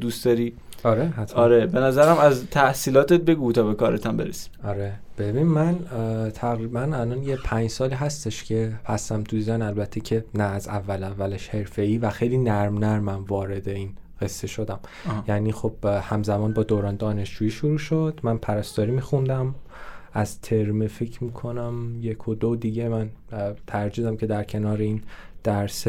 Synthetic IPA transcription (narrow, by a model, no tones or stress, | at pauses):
d̪usd̪ɒɾiːɒɾeɦæt̪ʰɒɾebe̞næzæɾæmæzt̪ʰæhsiːlɒːt̪et̪̚beɡut̪ʰɒːbekɒːɾet̪ʰæmbe̞ɾesi̥mɒɾeb̥ebinmːænt̪ʰæɣɾiːbænælɒːnjepʰæɲd͡ʒsɒːliːɦæst̪e̞ʃcʰe̞pʰæsæmt̪ʰuizænælbæt̪ʰːecʰe̞næːzævːælævːæleʃhe̞ɾfe̞iːvæxe̞jliːnæɾmnæɾmæmvɒːɾe̞d̪eiːn | ɢ̥e̞sːe̞ʃo̞d̪æm | jæːniːxo̞b̥hæmzæmɒːnbɒːd̪oːɾɒːnd̪ɒːne̞ʃd͡ʒuːjiːʃoɾuːʃod̪̥mænpʰæɾæst̪ɒːɾiːmiːxund̪æm | ʔæz̥t̪ʰe̞ɾmefecʰmiːkʰo̞næmjekʰod̪od̪iɟe̞mænt̪ʰæɾd͡ʒiːd̪æmcʰe̞d̪æɾcʰe̞nɒːɾeind̪̥æɾse